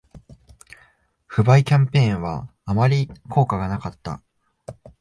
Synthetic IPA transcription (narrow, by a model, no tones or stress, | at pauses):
ɸɯ̟baikʲãmpẽ̞ːɰ̃βa̰ːmaɾʲikʰo̞ːkaɡanakat̪ːa̰